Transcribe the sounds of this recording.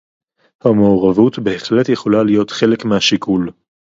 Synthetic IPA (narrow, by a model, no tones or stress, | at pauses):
hamooʁavutbe̞ːχle̞tjeχolalijo̞tχe̞le̞kmehaʃikʰul